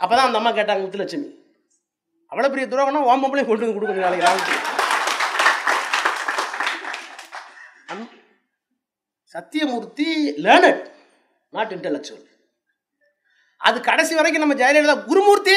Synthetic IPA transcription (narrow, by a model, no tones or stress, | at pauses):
ɐpːoːt̪ãːɐnd̪ɐmːaːkeːʈ̬ːaːŋɡɐmʊt̪ːɯlɐɐt͡ʃːɐmḭ | ʔɐʋɐɭɐpɛɾɪjɐd̪ʊɾoːɣɐnːãːʋaːmbɐmbɐljẽkɔɳɖɯnɯkʊɽɯkːɯmɡnaːlɐkɪɾaːmɐt͡ʃːɐlɐ | ɐ | sɐt̪ːɪjɐmuːɾt̪ːileːnɐɽ | naːʈːɪɳʈɐlːɐsɐ̰l | ʔɐ̰ðɯkɐɽɐsiʋɐɾɐk̬ːɯ̃nɐmːɐd͡ʒɐjɐlɐɽt̪ãːɡʊɾumuːɾt̪ːi